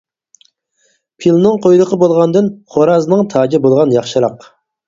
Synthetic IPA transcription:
pʰilˠnɨŋqʰojlˠəqʰəbolˠʁɑnd̪ɨnχoɾɑznɨŋt̪ʰɑːd͡ʒɪbolˠʁɑnjɑχʃɨɾɑq

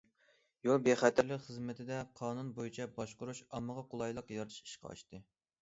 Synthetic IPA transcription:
jolˠbeχæt̪ʰæɾlɪkχəzmɪt̪ʰɪd̪ɛqʰɑːnunbojit͡ʃʰɛbɑʃqʊɾuʃɑmːəʁɑqʰʊlˠɑjlˠəqjɑɾt̪ʰɨ̥ʃi̥ʃqɑ̰ɑ̰ʃt̪ɨ

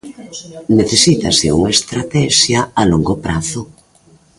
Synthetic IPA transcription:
neθesit̪asɪ̰ṵŋaest̪ɾat̪ɛʃjaaloŋɡopɾaθʊ

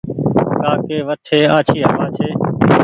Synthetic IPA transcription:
kaːkeːʋəʈʰeːaːt͡ʃʰiːɦəʋaːt͡ʃʰeː

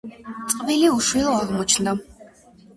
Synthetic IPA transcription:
t͡s̪ʼqʼviliuʃwilˠɔaʁmɔt͡ʃʰnd̪a

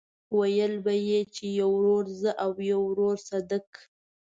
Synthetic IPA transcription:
wajəlbajet͡ʃejawɾoɾzəʔawjawɾoɾsad̪ak

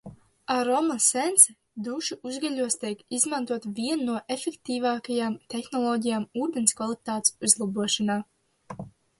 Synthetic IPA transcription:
aɾɔmasɛnt̪s | d̪uʃuʔuzɡaʎʲuɔst̪ʲiɛkizmant̪uɔt̪viɛnːuɔʔefɛkt̪iːvaːkajaːmt̪exnɔlˠɔːɟijaːmuːd̪enskvalˠit̪aːt̪suzlˠabuɔʃanaː

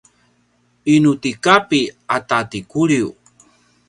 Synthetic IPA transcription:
inutikapiatatikuɾiu

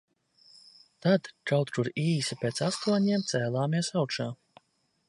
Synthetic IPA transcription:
t̪ad̪kawt̪t̪uɾiːsipʲeːt̪sast̪aɲiɛmt̪sʲɛːlˠaːmiɛsawkʃaː

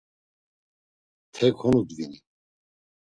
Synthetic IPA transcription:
t̪ʰɛkʰɔnud̪vini

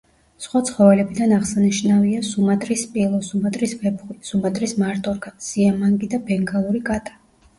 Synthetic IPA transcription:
sχwat̪sʰχɔvɛlɛbid̪anaʁsaniʃnaviasumat̪ʼɾispʼilˠɔsumat̪ʼɾisvɛbχisumat̪ʼɾismaɾt̪ʼɔɾkasiamaŋɡid̪abɛŋɡalˠuɾikʼat̪ʼḁ

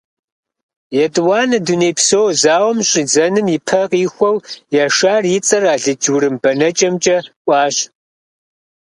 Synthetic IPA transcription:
jɛtʼwɑːnɐdunejpsowzaːwɐmɕʼid͡zɐnɨmipʰɐqʼiːxʷɔwjaʂaːrjɪt͡sʼɐraːɮɨd͡ʒwɾɨmbɐnɐt͡ʃʼɐmt͡ʃʼɐkʷʼɑːɕ

